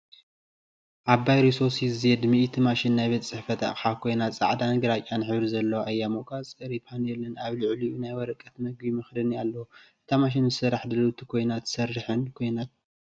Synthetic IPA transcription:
ʔaβbajɾisosizjɛd̪miʔit̪ʰimaʃinːajβet̪t͡sʼɨħfɐt̪ʰa̰ħakʰo̞jnat̪t͡sʼa̰ʕd̪anɨɡɨɾat͡ʃʼanɨħɨβɾizɐlːɐwʔajːamoʔkʼat͡sʼɨɾipʰanɛlɨnaβlɨʕliunajwɔɾɐkʼːɐt̪mɐɡbimɐxd̪ɨnialːɐwuʔɨt̪ʰamaʃ̬inzɨsɨrːaħd̪ɐlut̪ʰi̥kʰo̞jnat̪sɐrːɨħɨnkʰo̞jnat̪̚

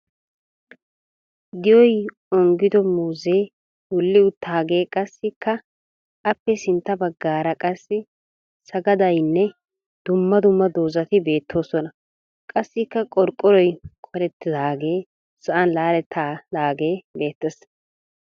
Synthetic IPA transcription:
d̪ɪjɔj | ɔŋɡɪd̪ɔmuːzeː | wʊlːɪʊt̪ːaːɡe̞ːkʼɐsːɪkːɐ | ɐpːɛsɪnt̪ːɐbɐɡːaːɾɐkʼɐsːɪ | sɐɡɐd̪ɐjnːɛ | d̪̥ʊmːɐd̪ʊmːɐd̪oːzɐt̪ɪbe̞ːt̪ːo̞ːsɔnɐ | kʼɐsːɪkːɐkʼɔɾkʼːɔɾɔjkʰʼɔɾɛt̪ːɪzaːɡeː | sɐʔɐnlaːɾɛt̪ʰːaːlaːɡe̞ːbe̞ːt̪ːɛs

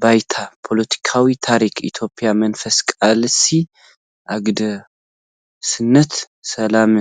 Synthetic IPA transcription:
bajt̪ʰapʰo̞lət̪ʰi̥kʰawit̪ʰaɾikʰḭt̪ʰjo̞pʼːjamənfəskʼalsi | ʔaɡd̪ | sɨnːət̪ | sɐlamɨ

